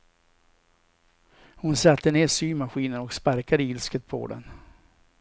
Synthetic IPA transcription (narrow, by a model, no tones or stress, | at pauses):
hʊnsat̪ʰːəneːɾʂyːmaɧiːnənɔkspaɾkad̪əɪlskət̪̚pʰɔ̰d̪ɛ̰n